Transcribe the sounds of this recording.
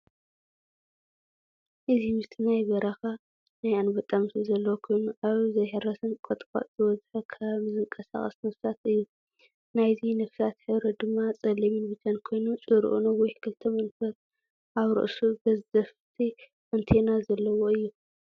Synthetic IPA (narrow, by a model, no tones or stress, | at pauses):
ʔɨzimɨst̪ʰinajbɐɾɐxa | najanbɐt̪ʼːamt̪ʰizɐlːɐwokʰo̞jnuʔaβzɐjħɨɾɐsʰɨnkʼot̪ʼkʼa̰ʔzɨwɐzħɐkʰaβzɨŋkʼɐsa̰χʼɐ̰snɐfsat̪ɨjːu | najzinɨfsat̪ħɨβɾɐd̪ɨmːat͡sʼɐlːiminbɨd͡ʒankʰo̞jnut͡sʼɨɾʔṵnɐwɔjkʰɨlt̪ʰɐmɐnfɐβ | ʔaβɾɨ̰ʔsubɐzzɐft̪ʰi | ʔɨnt̪ʰenazɐlːɐwoɨjːu